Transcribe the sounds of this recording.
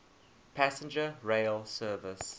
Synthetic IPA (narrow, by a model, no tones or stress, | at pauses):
pʰæsə̃nd͡ʒəɹeɪlsɜːvəs